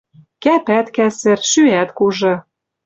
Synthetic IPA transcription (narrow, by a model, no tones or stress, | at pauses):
kæpæt̪kæsɘ̆rʃyæt̪kuʒɤ̆